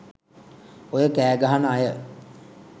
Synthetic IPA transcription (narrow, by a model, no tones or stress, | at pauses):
ojəkæːɡaɦanajə